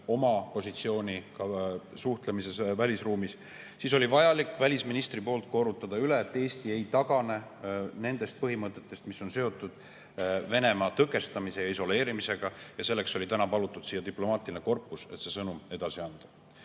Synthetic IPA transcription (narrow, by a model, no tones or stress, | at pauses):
o̞mɑpo̞sit̪sio̞ːnʲikɑsuht̪lemise̞svælʲisruːmis | siso̞lʲivɑjɑlikːˑvælʲisminist̪ripo̞ːlt̪̚ˑko̞ɾut̪ːˑɑd̪̥ɑyleːt̪ːe̞ːst̪ie̞jt̪ɑɡ̥ɑne̞ | ne̞nd̪̥e̞st̪̚pɤɦimɤt̪ːˑe̞t̪ːe̞st̪misːo̞nse̞o̞t̪ːˑud̪̥ | ve̞ne̞mɑt̪ɤke̞st̪ɑmise̞jɑiso̞le̞ːɾimise̞ɡ̥ɑjɑse̞lːe̞kso̞lʲit̪ænɑpɑlut̪ːˑud̪̥sijːɑt̪iplo̞mɑːt̪ˑilineko̞rpːˑuse̞t̪se̞sɤnume̞d̪̥ɑsiɑnd̪̥ɑ̥